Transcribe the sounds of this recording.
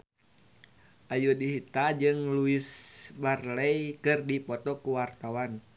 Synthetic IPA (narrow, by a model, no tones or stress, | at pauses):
ʔajudiɦit̪ad͡ʒɨŋluisbarlɛjkɨrdipɔt̪ɔkuwart̪awan